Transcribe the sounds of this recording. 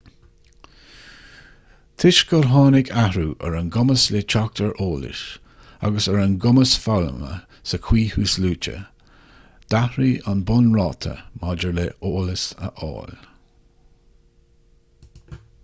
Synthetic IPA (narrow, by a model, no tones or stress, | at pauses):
t̪ʰɪʃɡɔɹɦɑːnɪkʰahɾuːʔəɹənɡʊməslet͡ʃak̚t̪ʰəɹʔoːlɪ̰ʃ | a̰ɡəsəɹənɡʊməsfalə̰mə̰ | səkʰw̥iːhuːsluːt͡ʃə̰ | d̪̥ahɾiːʔanbʊnɹɑːt̪ʰə̰mɑd͡ʒəɹleʔoːləsə̰ʔɔ̰ːl